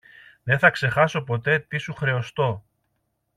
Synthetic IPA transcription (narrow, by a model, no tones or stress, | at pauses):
ðe̞θɐkse̞xɐso̞po̞t̪e̞t̪isuxɾe̞ost̪o̞